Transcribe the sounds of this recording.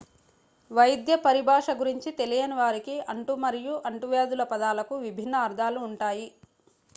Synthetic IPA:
ʋɐjd̪jɐpɐɾibʱaːʂɐɡuɾiɲt͡ʃit̪e̞lijɐniʋaːɾikiɐɳʈumɐɾijuʔɐɳʈuʋeːd̪ulɐpɐd̪aːlɐkuʋibʱinːɐːɾd̪ʱaːluːɳʈaːji

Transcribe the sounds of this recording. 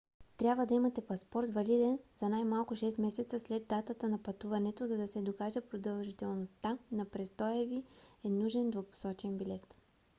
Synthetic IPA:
t̪ɾʲjabvəd̪ɐimɐt̪ɛpɐspɔɾt̪vɐlid̪ɛnz̥ɐnajmalˠkʊʃɛst̪mɛsɛt̪səslɛd̪d̪ːat̪ət̪ənɐpɐt̪uvɐnɛt̪ozɐd̪ɐsɛd̪okaʒəpɾod̪ɐlˠʒit̪ɛlˠnost̪anɐpɾɛst̪ɔjɛviɛnuʒɛnd̪vopo̥sɔt͡ʃɛnbilɛt̪

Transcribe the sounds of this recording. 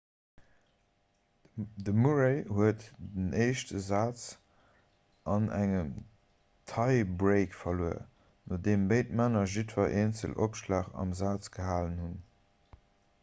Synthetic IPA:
dəmuʁeɪhuətdənʔeɪʃtəzaːt͡s | ʔɑnæŋəm | tʰɑɪbʁeɪkfɐluə̰ | nodeːmbeɪt̚maːnɐʒitvɐʔeːnt͡sə̰lʔo̰pʃlaːχɑ̰mzaːt͡sɡəɦaːlənhun

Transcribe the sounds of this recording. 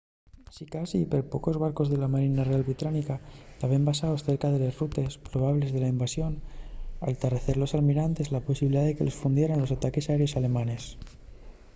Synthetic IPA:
sikasipeɾpo̞ko̞zβaɾko̞zðe̞lamaɾinarealβit̪ɾanikat̪aβembasaosθe̞ɾkað̞e̞le̞zrut̪e̞spɾo̞β̞aβle̞zðe̞laimbasjo̞na̰lt̪areθe̞ɾlo̞salmiɾant̪e̞zlaposiβiliðaðeke̞le̞sfund̪jeɾanlo̞sat̪ake̞saeɾjo̞sale̞mãne̞s

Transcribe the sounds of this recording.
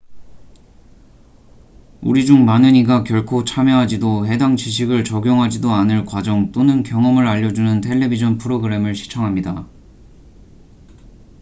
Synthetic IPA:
uɾid͡ʑuŋmanɯɲiɡakjʌɭkʰot͡ɕʰamjʌɦad͡ʑidoɦe̞daŋt͡ɕiɕ̬ʰiɡɯɭt͡ɕʌɡjʌŋɦad͡ʑidoanɯɭkwad͡ʑʌŋt͈onɯnkjʌŋʌmɯɾaʎːʌd͡ʑunɯntʰe̞ɭːe̞bid͡ʑʰʌnpʰɯɾoɡɯɾe̞mɯɭɕʰi̥t͡ɕʰʌŋɦamɲida

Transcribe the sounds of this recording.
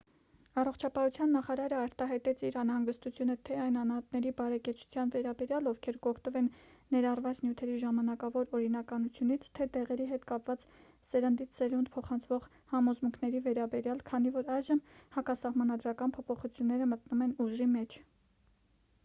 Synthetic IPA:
ɑrɔχt͡ʃʰɑpɑhut͡sʰjɑnːɑχɑɾɑɾəɑɾt̪ɑɦɑjt̪ɛt͡sʰiɾɑnhɑŋɡəst̪ut͡sʰjunət̪ʰɛɑjnɑnhɑt̪nɛɾibɑɾɛkɛt͡sʰu̥t͡sʰjɑnvɛɾɑbɛɾjɑlɔvkʰɛɾkɔkʰt̪əvɛnːɛɾɑrvɑt͡snjut̪ʰɛɾiʒɑmɑnɑkɑvɔɾɔɾinɑkɑnut͡sʰjunit͡sʰt̪ʰɛt̪ɛʁɛɾiɦɛt̪kɑpvɑt͡s | səɾənd̪it͡sʰsɛɾund̪̚pʰɔχɑnt͡sʰvɔʁ | hɑmɔzmuŋkʰnɛɾivɛɾɑbɛɾjɑlkʰɑnivɔɾɑjʒəmhɑkɑsɑhmɑnɑd̪ɾɑkɑnpʰɔpʰɔχut͡sʰjunːɛɾəmət̪numɛnuʒʒimɛt͡ʃʰ

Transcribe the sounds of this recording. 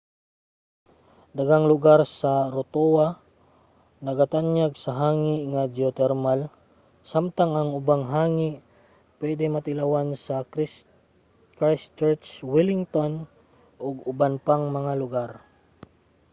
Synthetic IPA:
d̪ɐɡaŋlʊɡaɾsaɾʊt̪owa | nɐɡat̪anjaɡsɐɦaːŋɪŋad͡ʒɪot̪ɛɾmal | samt̪aŋaŋʊbaŋɦaːŋɪʔ | pwɛd̪ɛmɐt̪ɪlawansɐ | kɾast͡ʃɛɹt͡ʃwɪlɪŋt̪on | ʔoɡʊbanpaŋmɐŋalʊɡaɾ

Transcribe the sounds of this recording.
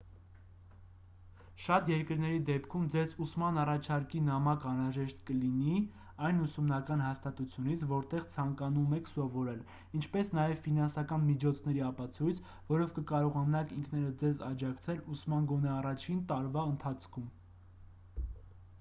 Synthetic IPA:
ʃɑt̪jɛɾkəɾnɛɾid̪ɛpkʰumd͡zɛzusmɑnɑrɑt͡ʃʰɑɾkinɑmɑkɑnɾɑʒɛʃt̪kəlini | ɑjnusumnɑkɑn̪ɦɑst̪ɑt̪ut͡sʰjunit͡sʰvɔɾt̪ɛʁt͡sʰɑŋkɑnumɛkʰsɔvɔɾɛl | int͡ʃʰpɛsnɑjɛvfinɑnsɑkɑnmit͡ʃʰɔt͡sʰnɛɾiɑpɑt͡sʰujt͡sʰ | vɔɾɔvkəkɑɾɔʁɑnɑkiŋkʰnɛɾəd͡zɛzɑd͡ʒɑkt͡sʰɛlusmɑnɡɔnɛɑrɑt͡ʃʰint̪ɑɾvɑənt̪ʰɑt͡sʰkʰum

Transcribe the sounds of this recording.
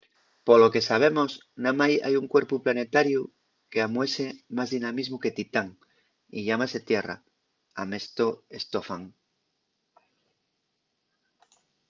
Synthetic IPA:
polo̞ke̞saβ̞e̞mos | namaja̰juŋkwe̞ɾpuplane̞t̪aɾju | keamwesemazðinamizmuke̞t̪it̪aŋ | ḭʎamaset̪je̞ra̰ | amest̪oe̞st̪ofaŋ

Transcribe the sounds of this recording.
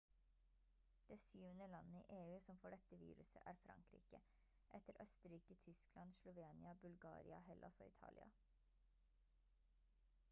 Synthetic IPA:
d̪̥eːsjyːənəlɑnːəḭːʔeːʉːsɔmfɔɖɛt̪əʋḭːɾʉsə̰ʔæːɾfɾɑ̰ŋkɾḭːkə | ʔɛt̪əɾʔœst̪əɾiːkət̪ʰʏsklɑnʃlʊʋeːnɪɑbʉlɡɑ̰ːɾɪɑ̰hɛlʔɔsɔɪt̪ʰɑ̰ːlɪ̰ɑ̰

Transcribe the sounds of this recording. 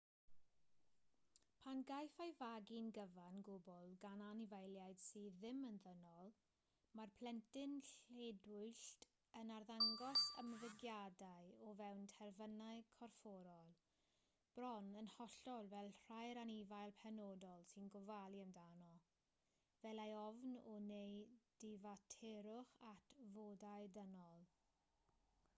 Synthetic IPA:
pʰanɡajfaɨvaɡinɡəvanɡʊbʊlˠɡananivajlˠjajd̥siːðɪmənðənɔlˠ | marpʰl̥ɛntɪnɬedwʊɨɬt | ənarðaŋɡɔsə̰məvɪɡjadaɨɔvɛwntʰɛrvənaɨkʰɔrfɔɾɔlˠ | b̥rɔnənhɔɬɔlˠvɛlˠr̥ajɾanivajlˠpʰɛnɔdɔlˠsɪnɡʊvalˠiəmdanɔ | vɛlˠajɔvnɔnejd̥ɪvatʰɛɾʊχatʰvoːdaɨdənɔlˠ

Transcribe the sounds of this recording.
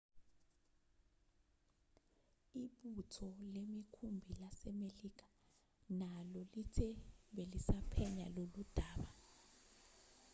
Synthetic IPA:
iɓutʰɔlemikʰumbʱilasɛmeliːk̬ḁ | nalɔlitʰɛɓelisapʰɛɲa̰lolud̥ʱaːɓa

